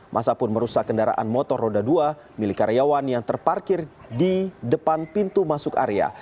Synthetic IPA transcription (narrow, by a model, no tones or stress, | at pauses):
mʔa̰sapʊnməɾusakːəndaɾa̰ʔa̰nmɔt̪ɔrodadua | milikaɾjawanjaŋt̪ərparkɪrdidəpanpint̪umasʊka̰ɾea̰